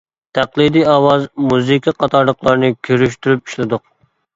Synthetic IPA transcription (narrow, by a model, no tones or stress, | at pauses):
t̪ʰæqlˠɨd̪ijɑːwɑzmuzɨkʲʰɑqʰɑt̪ʰɑɾləqlˠɑɾnɨkʲʰøɾyʃt̪yɾypi̥ʃlɪd̪ʊq̚